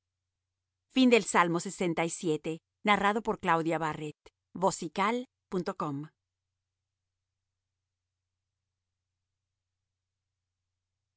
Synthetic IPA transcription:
find̪e̞lsalmo̞se̞se̞nt̪aisje̞t̪e | naraðo̞po̞ɾklawðjaβaret̪ | βo̞sikal | punt̪o̞ko̞m

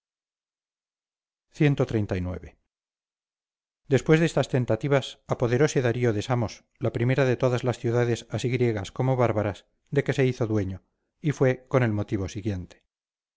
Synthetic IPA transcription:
θje̞nt̪ot̪ɾejnt̪ajnwe̞̰βe̞ | d̪e̞spwe̞zðest̪ast̪e̞nt̪at̪iβasapo̞ðe̞ɾo̞seðaɾioðe̞samo̞s | lapɾime̞ɾaðet̪o̞ðazlasθjuðaðesasiɣɾje̞ɣasko̞moβaɾβaɾas | d̪e̞ke̞se̞iθoðweɲo | ifwe̞ko̞ne̞lmo̞t̪iβo̞siɣje̞nt̪e̥

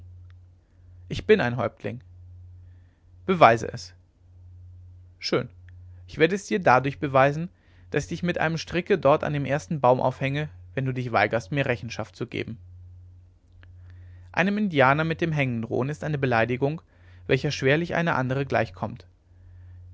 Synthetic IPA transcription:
ʔɪçb̥ɪnaɪnɦɔʏp̚tʰlɪ̰ŋ | b̥əvaɪzə̰ʔɛ̰s | ʃøːnʔɪçv̥eːɐdəɛsd̥iːɐdadʊɐçb̥əvaɪzn̩ | d̥asçd̥ɪçmɪtʔa̰ɪnəmʃtʁ̥ɪkədɔɐta̰ndeːmʔeːɐstn̩baʊmʔa̰ʊfhɛŋəvɛnduːdɪçv̥a̰ɪɡɐstmiːɐʁɛçn̩ʃa̰ftt͡suɡḛːbm̩ | ʔa̰ɪnəmɪndjaːnɐmɪt̚d̥eːmɦɛŋənʁo̰ːənɪstʔaɪnəbəlaɪdɪɡʊŋ | vɛlçɐʃv̥eːɐlɪçʔa̰ɪnəʔa̰ndəʁ̞əɡla̰ɪçkʰɔmt

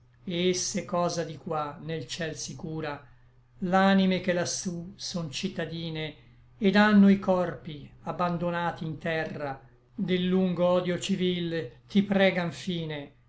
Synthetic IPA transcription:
eesːekɔːzad̪ikwanːelt͡ʃɛlsikuːɾa | lanimekelasusont͡ʃit̪ːad̪iːne | ed̪anːoikɔrpiabːand̪onaːt̪iːnt̪ɛrːa | d̪elːuŋɡoɔːd̪jot͡ʃivilt̪ipɾɛːɡaɱfiːne

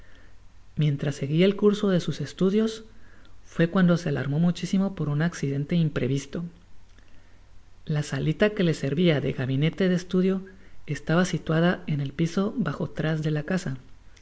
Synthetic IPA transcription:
mje̞nt̪ɾasːe̞ɣielkuɾso̞ðe̞suse̞st̪uðjo̞s | fwe̞kwand̪o̞se̞ala̰ɾmo̞mut͡ʃisimo̞po̞ɾunaksiðe̞nt̪e̞impɾe̞βist̪o̞ | lasalit̪ake̞le̞se̞ɾβiaðe̞̰ɣaβine̞t̪e̞ðest̪uðjo̞e̞st̪aβasit̪wað̞ae̞ne̞lpiso̞βaxo̞t̪ɾazðe̞lakasa

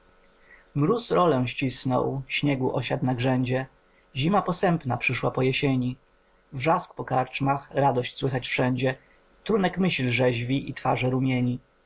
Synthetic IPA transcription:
mɾusɾɔlɛ̃ɕt͡ɕisnɔ̰wɕɲɛɡuʔɔɕat̪naɡʐɛɲd͡ʑɛ | ʑimapɔsɛmpnapʂɘʂwapɔjɛɕeɲi | vʐask̚pɔkaɾt͡ʂmaxɾad̪ɔɕt͡ɕswɘxat͡ɕfʂɛɲd͡ʑɛ | t̪ɾunɛkmɘɕlʐɛʑvʲiʔit̪faʐɛɾumʲjeɲi

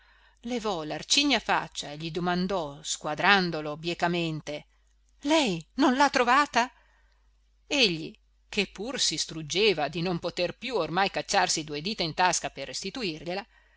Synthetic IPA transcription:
levɔlart͡ʃiɲːafa̰t͡ʃːaeʎid̪omand̪ɔskwad̪ɾand̪olobjekament̪e | lɛjnonlat̪ːɾovaːt̪a | eʎːi | kepːursist̪ɾud͡ʒeːvad̪inompot̪erpjuormajkat͡ʃːarsid̪ued̪iːt̪aint̪askaperːest̪it̪uirʎela

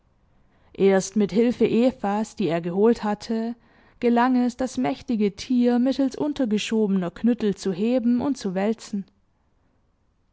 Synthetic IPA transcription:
ʔeːɐstmɪthɪlfəʔeːfasd̥iːeːɐɡəɦoːlthatʰə | ɡ̥əlaŋɛsd̥asmɛçtɪɡətʰiːɐmɪtl̩sʔʊntɐɡəʃoːbənɐkʰnʏtl̩t͡suɦeːbm̩ʊnt̚t͡suvɛlt͡sn̩

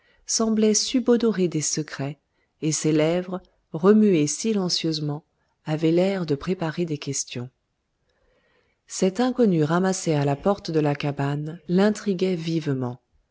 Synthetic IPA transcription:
sɑ̃blɛsybɔd̪ɔʁed̪esəkχɛ | eselɛvʁ | ʁəmyesilɑ̃sjøzmɑ̃ | avɛlɛʁd̪əpχepaʁed̪ekʲɛst̪jɔ̃ | sɛt̪ɛ̃kɔnyʁamasɛalapɔʁt̪d̪əlakabanlɛ̃t̪χiɡʲɛvivmɑ̃

